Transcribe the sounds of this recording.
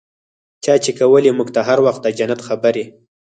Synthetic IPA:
t͡ʃɑt͡ʃekawəlimuɡt̪aɦaɾwaxt̪̚d̪əd͡ʒanat̪xabəɾi

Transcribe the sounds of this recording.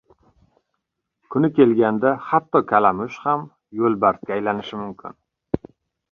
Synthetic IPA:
kʰʊnɪkʲe̞lɡʲand̪ahat̪ːɒkʲʰalamʊʃham | jolˠbaɾt̪̚kʲaːjlanɪʃɪmʊmkʲʰɪ̰n

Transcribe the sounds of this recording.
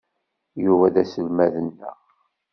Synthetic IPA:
juvæðæsəlmæðənːə̰ʁ

